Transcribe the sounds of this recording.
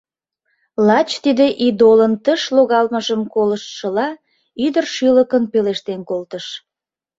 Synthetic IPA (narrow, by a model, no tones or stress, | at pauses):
lɑt͡ɕt̪id̪eʔid̪olənt̪əʃloɣɑlməʒəmkoləʃʃəlɑ | yd̪ərʃyləkənpeleʃt̪enkolt̪əʃ